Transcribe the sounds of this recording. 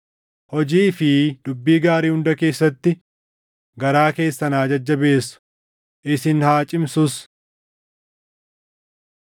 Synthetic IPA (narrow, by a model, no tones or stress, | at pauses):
hɔd͡ʒiːfɪd̪ʊbːiːɡaːɾiːhʊnd̪ɐke̞ːsːɐt̪ːɪ | ɡɐɾaːke̞ːsːɐnaːd͡ʒɐd͡ʒːɐbe̞ːsːʊ̥ | ʔɪsɪnhaːt͡ʃʼɪmsʊs